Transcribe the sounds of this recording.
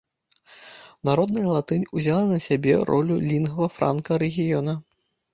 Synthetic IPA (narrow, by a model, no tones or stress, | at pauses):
naɾɔd̪nɐjɐlˠat̪ɨnʲuzʲalˠɐnɐsʲabʲɛ̰ɾɔ̰lʲulʲinɣɐvɐfɾa̰nkɐɾɛɣʲijɔnɐ